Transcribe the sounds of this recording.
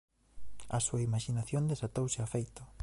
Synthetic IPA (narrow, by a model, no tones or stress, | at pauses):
ɐsuaimaʃinaθjond̪esat̪owsɪafejt̪ʊ